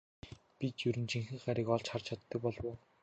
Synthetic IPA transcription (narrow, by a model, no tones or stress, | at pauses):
pit̪jɵɾɘ̆nt͡ɕʰiŋxɘ̆ɴɢaɾʲiːkɔɮt͡ɕχart͡ɕʰat̪ːə̆k̚pɔɮwoː